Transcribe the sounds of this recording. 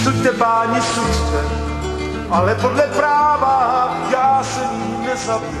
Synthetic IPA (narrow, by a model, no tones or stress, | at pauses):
suc̚t̪ɛpaːɲisutt̪ɛ | ʔalɛpodlɛpɾaːvaːɦa | jaːsɛɲiːnɛzab